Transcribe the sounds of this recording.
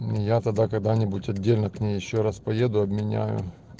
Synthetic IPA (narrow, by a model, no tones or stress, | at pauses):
jat̪ɐd̪akɐɡd̪anʲɪbʊtʲɐdʲːelʲnəknʲejːɪɕːoɾaspɐje̞d̪ʊɐbmʲɪnʲæ̰jʊ̰